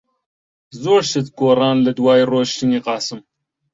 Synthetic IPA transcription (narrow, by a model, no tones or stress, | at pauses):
zoːɾʃɐt͡sɡoːrɑːnlɐd̪waːjroːʃt̪iniːqɑːsɨm